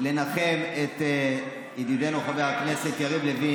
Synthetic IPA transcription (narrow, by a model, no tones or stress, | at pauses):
le̞naχe̞let̪ | id̪id̪ejnuχaveakne̞set̪jaʁivlevi